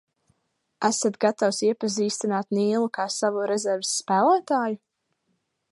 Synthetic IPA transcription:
æsat̪ɡat̪awsiɛpaziːst̪inaːt̪niːlˠukaːsavuɾɛzɛɾvsːpæːlˠaːt̪aːju

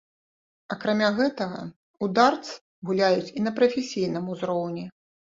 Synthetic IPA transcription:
ɐkɾamʲaɣɛt̪ɐɣɐ̰ | ud̪art̪sɨ̥ | ɣulʲajut͡sʲinɐpɾɐfʲesʲijn̪ɨmuzɾɔwnʲɛ

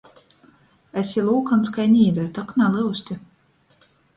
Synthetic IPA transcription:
æsʲilˠuːkanskajnʲiːd̪ɾɨt̪ɔknalˠɨwsʲt̪ʲi

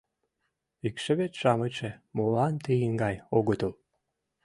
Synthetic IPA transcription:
ikʃĕβet͡ɕʃɑmət͡ɕemolɑnt̪eiŋɡɑjoɣət̪əl

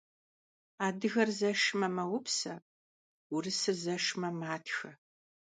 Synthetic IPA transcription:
aːdɨɣɐrzɐʃmɐmɐwʊpsɐ | ʊrɨsɨzɐʂmɐmaːtʰxɐ

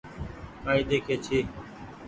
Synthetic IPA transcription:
aːĩːd̪eːkʰeːt͡ʃʰiː

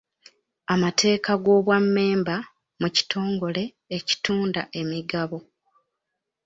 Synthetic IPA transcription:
amatʰe̞ːkaɡo̞ːβwamːe̞ːmba | muci̥tʰo̞ːŋɡo̞le̞ː | ci̥tuːndaʔe̞miɡaβo̞

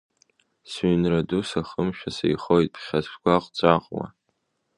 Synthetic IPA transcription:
sɥnradusaχəmʃᶣasḛjχojt̚ʼpʰχʲazʃʰɡʷaqʷʼt͡sʷʼaqʼwa̰

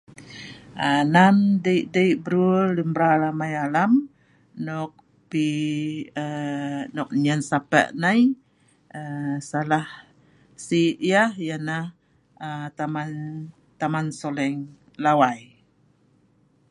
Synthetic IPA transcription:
ənamdəjʔdəjbəɾuləmbɾalamajalam | nɔk̚ | pi | ənɔk̚ɲansapə̰ʔnaj | əsalah | siʔjahjanah | ət̪aman | t̪amansolɛŋ | lawaj

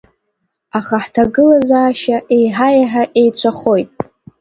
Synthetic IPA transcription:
aχaħtʰaɡɨlazaːʃaʔe̞jħajaħaʔe̞jt͡ɕʷʰaχo̞jtʼ

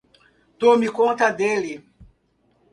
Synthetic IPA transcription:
t̪omikõnt̪ɐd̪eli

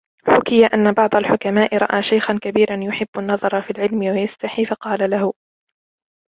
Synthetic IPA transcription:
ħʊkɪjaʔanːabɑʕd̪ˤalħʊkamaːʔɪɾˤɑ̰ʔaːʃajxankabiːɾanjʊħɪbːʊnːɑðˤɑɾˤɑfiːlʕɪlmɪwajast̪aħiːfɑqɑːlalahʊ

